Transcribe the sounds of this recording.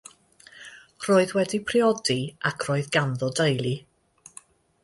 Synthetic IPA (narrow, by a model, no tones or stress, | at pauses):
r̥oːɨðwɛdipʰrɪɔdiakʰr̥oːɨðɡanðɔdəjlˠi